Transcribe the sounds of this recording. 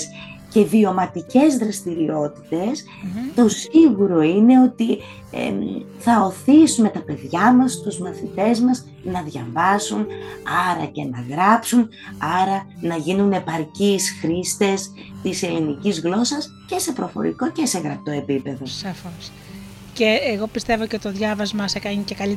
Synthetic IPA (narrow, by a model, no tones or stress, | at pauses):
sce̞vio̞mɐt̪ice̞zðɾɐst̪iɾio̞t̪i̥t̪e̞s | t̪o̞siɣuɾo̞ine̞o̞t̪i | ḛθɐo̞θisume̞t̪ɐpe̞ðʝɐmɐst̪uzmɐθit̪e̞zmɐz | nɐðʝɐvɐsunɐɾɐ̰ce̞nɐɣɾɐpsun | ɐɾɐnɐʝinune̞pɐɾcisxɾist̪e̞st̪ise̞linicizɣlo̞sɐs | ce̞se̞pɾo̞fo̞̰ɾḭko̞ce̞se̞ɣɾɐp̚t̪o̞e̞pipe̞ðo̞sɐfos | ceːɣo̞pist̪e̞voceot̪oðʝɐvɐzmɐsekɐɲicekɐli